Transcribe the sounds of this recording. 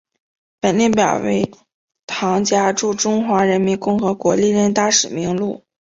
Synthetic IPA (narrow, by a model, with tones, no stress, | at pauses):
pə˨˩nli˥˩npjɑ˨˩ʊwḛ˧˥ɪ | t̪ʰɑ˧˥ŋt͡ɕja˥ʈ͡ʂu˥˩ʈ͡ʂʊ˥ŋxwa˧˥ɻə˧˥nmi˧˥nkʊ˥˩ŋxɤ˧˥kwɔ˧˥li˥˧ɻə˥˧nt̪a˥ʂɻ̩˨˩mi˧˥ŋlu˥˩